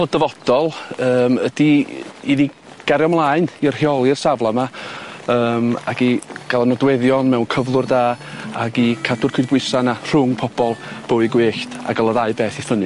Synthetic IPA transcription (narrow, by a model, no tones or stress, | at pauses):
ɛlˠəd̥əvɔd̥ɔlˠəːməd̥iini | ɡ̥aɾjɔmlˠaːɨnir̥hjɔlˠirsavlˠamaəːmaɡiɡ̥alˠanɔdwɛðjɔnmɛwnkʰəvlˠʊrdaːaɡikʰadʊrkʰʊbwɪsanar̥ʊŋpʰɔb̥ɔlˠb̥oːɨɡweːɬd̥a̰ɡəlˠəðaɨbeːθifənɨ